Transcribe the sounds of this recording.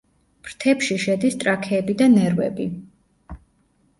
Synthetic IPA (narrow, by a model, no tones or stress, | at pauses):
m̥ɾt̪ʰɛpʃiʃɛd̪ist̪ʼɾakʰɛːbid̪anɛɾvɛ̰bi